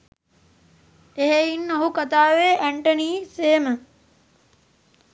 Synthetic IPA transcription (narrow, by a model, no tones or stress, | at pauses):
eɦeinːɐɦukɐt̪aːʋeːʔæɳʈəniːseːmə